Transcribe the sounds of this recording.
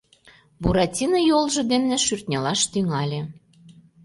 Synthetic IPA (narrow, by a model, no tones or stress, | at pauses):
buɾɑtʲinɤjolˠʒɤ̆d̪emnĕʃyrt̪ʲnʲelɑʃt̪yŋɑlʲĕ